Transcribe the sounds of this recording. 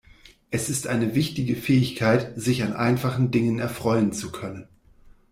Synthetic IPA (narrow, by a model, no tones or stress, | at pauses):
ʔɛsɪstʔaɪnəvɪçtɪɡəfɛːɪçkʰaɪtz̥ɪçanʔa̰ɪnfaχn̩dɪŋənɛɐfʁ̥ɔʏənt͡sukʰœnən